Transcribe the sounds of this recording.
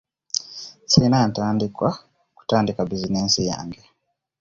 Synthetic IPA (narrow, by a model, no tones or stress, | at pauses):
sinajantandikwa | ku̥tandikabizinɛsija̰ŋɡɛ